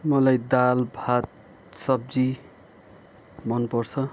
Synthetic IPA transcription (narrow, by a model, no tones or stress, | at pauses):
mʌlajd̪albʱat̪̚ | sʌb̚d͡zi | mʌnpʌrt͡sʰʌ